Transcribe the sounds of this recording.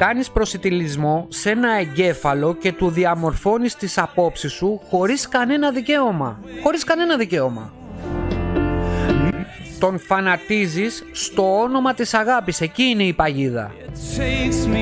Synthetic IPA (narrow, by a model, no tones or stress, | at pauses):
kɐnispɾo̞sit̪ilizmo̞se̞nɐeɲɟe̞fɐlo̞ce̞t̪uðiɐmo̞ɾfo̞nist̪isɐpo̞psisuxo̞ɾiskɐne̞nɐðice̞o̞mɐ̰ | xo̞ɾiskɐne̞nɐðice̞o̞mɐ̰ | t̪o̞nfɐnɐt̪izisːt̪o̞ono̞mɐt̪isɐɣɐpise̞ciːne̞ipɐʝiðɐ̰